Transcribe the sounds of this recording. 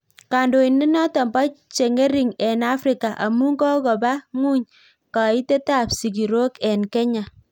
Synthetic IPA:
ka˨ndo˨i˨nːi˦nɔ˦tɔ˨mba˦t͡ʃe˨ŋe˦ɾi˨ŋɛ˨na˦fɾi˨ka˨ʔa̰˨mu˦ŋɡɔ˦kɔ˨ba˦ŋu˦ɲ | ka˨i˦te˦ta˦˨psi˨ɡi˨ɾo˦kɛ˨nkɛ˦ɲa˨

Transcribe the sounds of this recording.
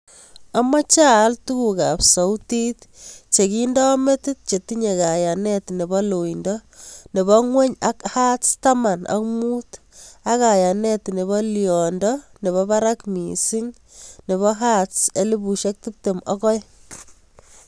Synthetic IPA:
a˨mɔ˦t͡ʃa˦ltu˦ku˨ka˨psa˨uti˦tt͡ʃe˨ki˦ndɔ˦me˦ti˦t̚t͡ʃe˨ti˦ɲe˨ka˨ja˨ne˦tne˨bɔ˦lo˨indɔne˨bɔ˦ŋwe˦ɲa˦kha˦tt͡sta˦ma˨na̰˨kmu˦t | a˦kaja˨ne˦tne˨βɔ˦liɔ˨ndɔne˨βɔ˦pa˦ɾa˦kmḭ˨si˦ŋ | ne˨βɔ˦ɦa˦tse˦li˦bu˨ʃe˦k̚ti˦p̚te˨mɔ˦kɔ˦j

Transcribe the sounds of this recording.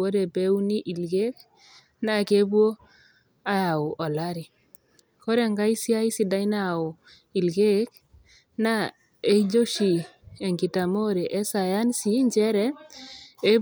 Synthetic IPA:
o˦dɛ˨pe˦wu˦ni˦ʔi˨lɡe˦k̚ | na˦˨ke˦bwo˦ | a˦ja˨ʊ˨ʔɔ˨la˦ɾi˨ | ko˦ɾɛ˨ŋɡa˦i˦si˦a˦jsi˨da˦jna˦˨ʊ˨ | i˨lɡe˦k | na˦ | e˦id͡ʒo˦ʃi˨ | e˨ŋki˨ta˨mo˦ɾe˨ʔɛ˦sa˨ja˦nsi˦ɲt͡ʃɛ˦ɾɛ˦ | e˦

